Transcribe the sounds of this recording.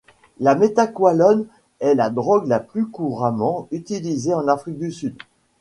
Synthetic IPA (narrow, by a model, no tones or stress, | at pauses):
lamet̪akwalɔn | ɛlad̪ʁɔɡlaplykuʁamɑ̃yt̪ilizeɑ̃nafχik̚d̪ysyd̪